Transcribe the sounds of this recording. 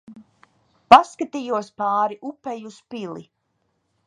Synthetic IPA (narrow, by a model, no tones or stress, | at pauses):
paskat̪ijuɔspaːɾiʔupːɛjuspilḭ